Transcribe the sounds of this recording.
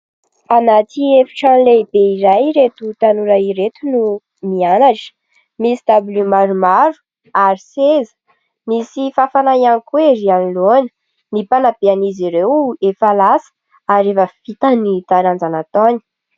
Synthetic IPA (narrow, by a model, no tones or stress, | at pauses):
anat̪ʰiefi̥ʈ͡ʂanlebeiɾajɾet̪ut̪anuɾaiɾet̪unu | mianaʈ͡ʂə̥ | misi̥d̪abulumaɾumaɾu̥ | aɾisezə̥ | misifafanaianikueɾianilonə̥ | nipanabeaniziɾewefalasə̥ | aɾevəfit̪anit̪aɾand͡zanat̪oni̥